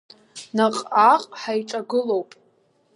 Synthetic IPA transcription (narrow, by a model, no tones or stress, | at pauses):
naqʼaqʼħajʈ͡ʂʼaɡɨlowpʼ